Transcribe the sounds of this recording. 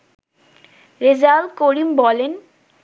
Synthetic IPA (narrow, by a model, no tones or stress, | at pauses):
ɾed͡ʑalkoɾimbɔlen